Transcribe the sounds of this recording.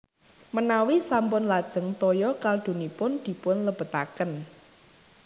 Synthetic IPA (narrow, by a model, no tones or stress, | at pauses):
mənawisampʊnlad̥ʒ̥ə̤ŋt̪ɔjɔkald̪̥o̤nipʊnd̪̥i̤pʊnləb̥ə̤t̪a̰kən